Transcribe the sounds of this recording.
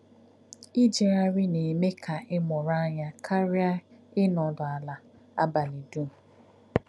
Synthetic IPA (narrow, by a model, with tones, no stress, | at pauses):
i˦d͡ʒe˨ɾa˦ɾɪ˦ne˨me˦kʰa˨ɪ˦mɔ˨ɾa˦ɲa˦kʰa˦ɾɪ˦a˦ɪ˦nɔ˨dʊ˨a˨la˨ | a̰˦ba˨li˨du˦m̩˨